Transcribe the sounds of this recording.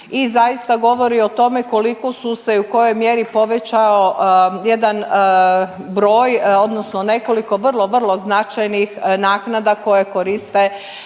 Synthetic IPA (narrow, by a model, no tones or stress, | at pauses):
izajist̪aɡo̞ʋo̞ɾio̞t̪o̞me̞ko̞liko̞suse̞uko̞jo̞jmje̞ɾipo̞ʋet͡ɕaoje̞d̪an | bɾo̞ːjo̞d̪no̞sno̞ne̞ko̞liko̞ʋr̩lˠo̞ʋr̩lˠo̞znat͡ʃajnixnaːknad̪ako̞je̞ko̞ɾist̪e̞